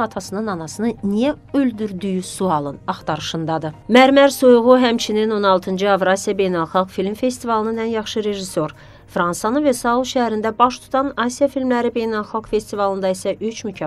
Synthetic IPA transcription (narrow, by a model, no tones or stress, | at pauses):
ɑt̪ʰɑsɯnɯnɑnɑsɯnɯnijæ | øld̪yɾd̪yjysuɑlˠɯnɑχt̪ɑɾɯʃɯnd̪ɑd̪ɯmæɾmæɾsujʁuɦæmt͡ʃʰinino̞nɑlˠt̪ʰɯnd͡ʒɯɑvɾɑsijɑbe̞jnɑlˠχɑlɡfilʲmfe̞st̪ivɑlˠɯnɯnænjɑχʃɯɾe̞ʒiso̞ɾ | fɾɑnsɑnɯnvesɑulˠʃææɾind̪æbɑʃt̪ʰu̥t̪ʰɑnɑsijɑfilʲmlæɾibe̞jnɑlˠxɑɡfe̞st̪ivɑlˠɯnd̪ɑisæʔyt͡ʃmycʰɑ